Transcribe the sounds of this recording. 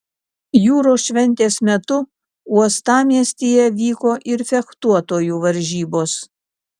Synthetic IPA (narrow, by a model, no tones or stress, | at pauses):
juːɾoːsʃʲʋʲɛnʲt̪ʲeːsmʲɛt̪ʊ | uɔst̪ɑːmʲiɛsʲt̪ʲejɛʋʲiːkoːʔɪɾfʲɛkt̪uɔt̪oːjuːʋɐɾʲʒʲiːboːs